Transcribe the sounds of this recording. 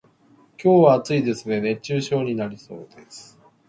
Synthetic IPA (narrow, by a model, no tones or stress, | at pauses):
kʲo̞ːβaːt͡sɨid̪e̞sɨne̞nẽ̞t͡ɕɨːɕo̞ːɲ̟inaɾʲiso̞̰ːd̪̥e̞sɨ̥